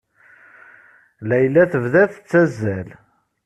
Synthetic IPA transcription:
læjlːæθəvðæθə̥t͡sːæzːæl

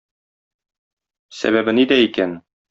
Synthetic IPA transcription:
sæ̰βæbɘnid̪æikæn

